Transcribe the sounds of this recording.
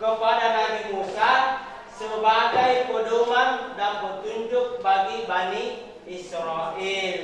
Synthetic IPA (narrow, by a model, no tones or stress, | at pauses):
kəpadanaɾimusa | səbaɡajpədoŋandaŋpət̪uɲd͡ʒʊk̚baɡibani | isɾaʔil